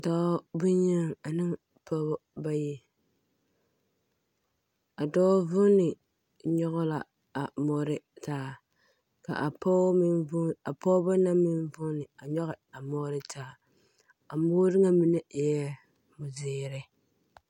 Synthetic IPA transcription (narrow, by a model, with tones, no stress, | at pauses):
dɔ˦bʊ˦ɲa˦ŋa˨nɨ˦ŋ | pʰɔ˦bba˦ji˦ | a˨dɔː˦vʊ˦nɪ˨ | ɲɔ˦ɣʊ˦la̰˨ | a˨mɔ˨˦ɾɪ˦taː˦ | ka̰˨ʔa˨pɔ˦mi˦nʊ˦a˨pɔ˦ba˦na˦mɪ˦nvʊ˦nɪ˨a˨ɲɔ˦ɣɪ˨a˨mɔ˦ɾɪ˦tʰaː˦ | a˨mʊː˦ɾɪ˦ŋa˦mi˨nɛ˦˨jɛ˦ | mʊ˨zɪː˨ɾɪ˦